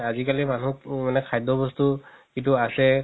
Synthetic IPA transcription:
azikalimanumanɛkʰajdɔbɔstukituasɛ

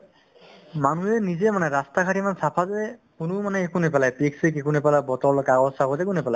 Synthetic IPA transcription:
manuɛnizɛmanɛɹastakʰatimansapʰazɛkʊnʊmanɛːkunip̬alajpiksikekunipalabɔtɔɹlokaɡɔsakɔzekunipɛlaj

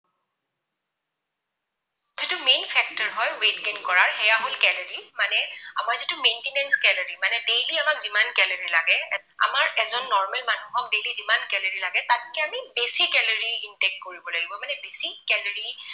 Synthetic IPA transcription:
zitʊmenpʰɛk̚tɔɹɦɔjwedɡinkɔɹaɹhɛjaɦolkɛlɔɹimanɛa̰maɹzitumentinɛnskɛlɔɹimanɛdejliamakzimankɛlɔɹilaɡɛɛ | a̰maɹɛzɔnːɔɹmɛlmanuɦɔk̚dejlizimankɛlɔɹilaɡɛtatkɛamibesikːɛlɔɹiintɛk̚koɹibɔlaɡibɔmanɛbesikɛlɔɹi

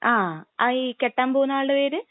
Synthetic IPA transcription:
ʔaːɐikeʈːaːmboːunːaːɭɖeʋeːɾɨ

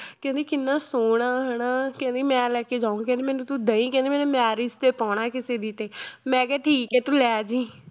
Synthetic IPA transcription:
kɛ̃ːnd̪iːkɪnːaːsoːɽaːɦɛɽ̃aːkɛ̃ːnd̪iːmɛ̃ːlɛːkeːd͡ʒaːũŋɡkɛ̃nd̪iːmɛːnũːt̪ũd̪əĩːkɛ̃ːnd̪iːmɛːnemɛːɾiːd͡ʒt̪eːpaːɽ̃aːkɪseːd̪iːt̪eːmɛ̃ːkɛːʈʰiːkɛːt̪ũlɛːd͡ʒiː

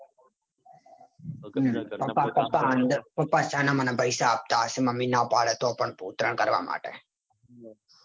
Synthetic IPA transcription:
pɐpːapɐpːaənd̪pɐpːasaːnãmanabəjsaːp̚t̪aːsimɐminaːpaːɭet̪oːpəɳpuːt̪ɾəɳkəɾʋa̰ːmʔa̰ːʈḛ

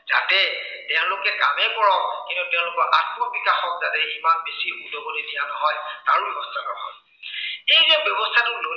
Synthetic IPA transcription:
za̰tɛtɛʊ̃lʊkɛkamɛkɔɹɔkintutɛʊ̃lʊkɔɹʔat̚mɔbikaxɔk̚zatɛimanbesiudɔbolidijanɔɦɔjta̰ɹubbɔstʰanɔbɔ̰b | ejzɛbjɔbɔstʰatʊlo

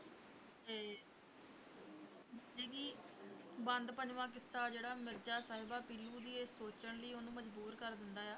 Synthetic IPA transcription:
eː | d͡ʒeːkiː | bə̃nd̪pəɲd͡ʒʋãːk̬ɪsːaːd͡ʒeːɽaːmɪɾd͡ʒaːsaːɦɪbaːpiːlːuːd̪iːesoːt͡ʃəɳləiːonũːməd͡ʒbuːɾkəɾd̪ɪnd̪aːjaː

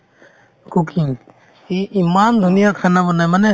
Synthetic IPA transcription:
kukʰiŋ | iʔimand̪ʱunijakʰanabɔnajmanɛ

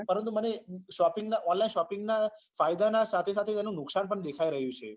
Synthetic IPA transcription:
pəɾə̃nt̪̬uməneʃɔpɪŋɡnaʔɔnlainʃɔpɪ̃ŋɡna | fajd̪anasat̪ʰesat̪ʰeɛnũnʊksanpəɳd̪ekʰaiɾəɦjũt͡ʃʰe

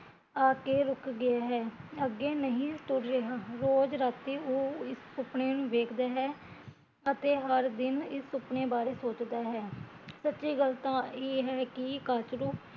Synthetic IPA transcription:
aːkeːɾʊkɡɪaːɦɛːəɡːeːnəɦĩːt̪ʊɾɾeɦaːɾoːd͡ʒɾaːt̪ːiːoːɪsːʊpɳeːnũːʋeːkʰd̪aːɦɛː | ət̪eːɦəɾd̪ɪnɪsːʊpɳeːbaːɾeːsoːt͡ʃd̪aːɦɛː | sətːʃiːɡəlt̪ãːeːɦɛːkɪkaːt͡ʃɾuː

